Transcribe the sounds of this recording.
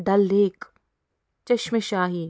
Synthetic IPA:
d̪ɐlːeːk | t͡ʃɐʃmeʃaːɦi

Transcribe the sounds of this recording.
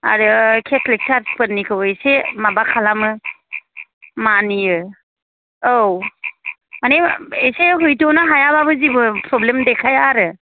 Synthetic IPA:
a̰ɾɯkʰetʰlik̚tʰaɾspɯnːikʰɯwejsemabakʰalamɯ | manijɯ | ow | maneejseɦujtonɯɦajababɯzibɯpɾɔblemdekʰajaɾɯ

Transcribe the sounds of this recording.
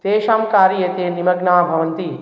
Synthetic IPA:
t̪eːʃaːmkaːɾijɐt̪eːnimɐɡnaːbʱɐʋɐnt̪i

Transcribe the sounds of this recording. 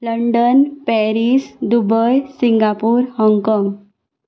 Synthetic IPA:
ləɳɖənpɛɾisd̪ubəjsiŋɡapuːɾhɔŋkɔ̃ŋɡ

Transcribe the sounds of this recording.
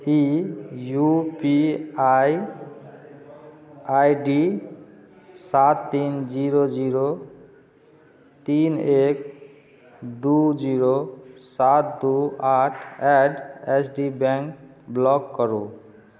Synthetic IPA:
ijupiaj | ajɖi | sat̪ːind͡ʒiɾod͡ʒiɾo | t̪inek | d̪ud͡ʒiɾosat̪̚d̪uaʈʰɛɖesʰɖibɛŋk | blɔkːɔɾṵ

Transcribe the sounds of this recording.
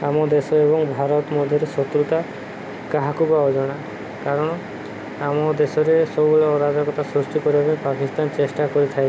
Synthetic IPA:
amɔd̪esɔebɔŋbʱaɾɔt̪ɔmɔd̪ʱjɔɾesɔt̪ɾut̪a | kaɦakubaɔd͡ʒɔɽ̃a | kaɾɔɽ̃ɔ | amɔd̪esɔɾesɔbubeleɔɾad̪ɔkɔt̪asɾusʈikɔɾibapipakist̪ant͡ʃesʈakɔɾit̪ʰaj

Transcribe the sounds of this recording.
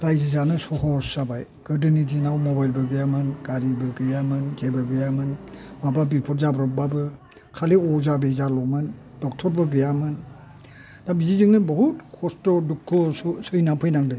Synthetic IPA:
ɾajzizanɯsɔɦɔɾsabaj | ɡ̥ɯdɯnidinawmɔbajlbɯɡɯjamɯnɡ̥aɾibɯɡɯjamɯnzebɯɡɯjamɯnmababipʰɔtzabɾɔk̚babɯ | kʰaleɔzabezalɔmɯn | dɔk̚tʰɔɾbɯɡɯjamɯn | dabizizɯŋnɯbɔɦutkʰɔstɔdukʰːɔssɯjnapʰɯjnaŋdɯn

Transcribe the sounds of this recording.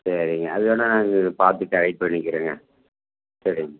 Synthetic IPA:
sɐɾiŋɡɐːðɯjoːnːanaːŋɡɐpaːɾt̪ɯʈːɐɻɐɪpːɐɳːɪkːɪɾeːŋɡɐ̰ | sɐɾɪŋɡɐ

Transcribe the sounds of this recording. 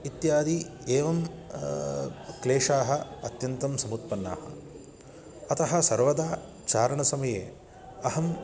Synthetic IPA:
it̪jaːd̪ieːʋɐm | kleːʂaːɦɐ̆ɐt̪jɐnt̪ɐmsɐmut̪̚pɐnːa̰ːhɐ̰ | ɐt̪ɐɦɐ̆sɐɾʋɐd̪aː | t͡ʃaːɾɐɳɐsɐmɐjḛː | ɐhɐm

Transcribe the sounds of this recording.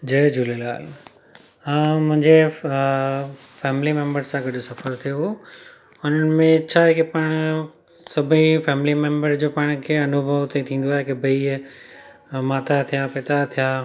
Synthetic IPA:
d͡ʑeːd͡ʑuːlela̰ːl | ɦãːmʊ̃ɦɪ̃ɲd͡ʑe | fɛːmɪlimẽːmbəɾsãɡɐɗsɐfəɾt̪ʰijo | ʊnənɪ̆mẽt͡ɕʰaːɦekepɐɽ̃ | sɐbʱĩfɛːmɪlimẽmbəɾd͡ʑoːpaːɽ̃kʰeːɐnʊbʱəʋt̪ʰet̪ʰĩːn̆d̪oaːɦekebʱɐi | maːt̪ʰat̪ʰijapɪːt̪at̪ʰijaː

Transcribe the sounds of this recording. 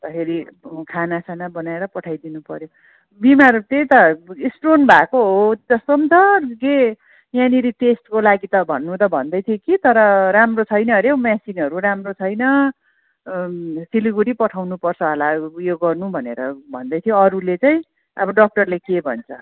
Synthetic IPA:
t̪ʌkʰeɾikʰanasanabʌnaeɾʌpʌʈʰajd̪inupʌɾjo | bimaɾut̪et̪ʌisʈronbʱakoɦod͡zʌst̪omt͡sʰʌke | janiɾiʈesʈkolaɡit̪ʌbʱʌ̰nːut̪ʌbʱʌnd̪ʌjt̪ʰijekit̪ʌɾʌɾamrot͡sʰʌjnʌɾjewmjasinɦʌɾuɾamrot͡sʰʌjnʌ | siliɡuɾipʌʈʰawnupʌrt͡sʰʌɦʌlajoɡʌrnubʱʌneɾʌbʱʌ̰nd̪ʌjt̪ʰijoʌɾulet͡saj̃ĩ | ʌ̰bʌɖʌk̚ʈʌrlekebʱʌ̰nt͡sʰʌ

